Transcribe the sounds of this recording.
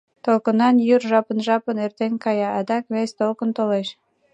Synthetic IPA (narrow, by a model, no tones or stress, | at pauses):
t̪olkonɑnjyrʒɑpənʒɑpənert̪enʲkɑjɑɑd̪ɑkβest̪olkə̆nt̪oleʃ